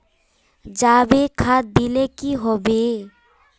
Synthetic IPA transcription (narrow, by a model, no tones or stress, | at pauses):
d͡ʒaːbekʰat̪̚bilekiɦobe